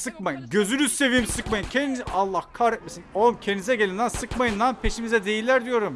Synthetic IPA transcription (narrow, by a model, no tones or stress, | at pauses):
sɯkmajɯmɟø̞zynyzse̞vijmsɯkmajɯmcʰeniialˠːahkʰaɾɛt̪̚mesinomcʰend̪izɛɟelʲind̪ænsɯkmajɯnd̪anpʰe̞ʃimizɛd̪e̞jilʲːæɾd̪ijo̞ɾum